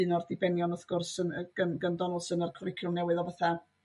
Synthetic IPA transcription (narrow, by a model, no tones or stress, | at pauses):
ɨnɔrdɪbɛnjɔnɔθɡ̥ʊrsənəɡ̥ənɡəndɔnʊlˠsənərkʰɔrɪkʰjʊmnɛwɨðɔvaθa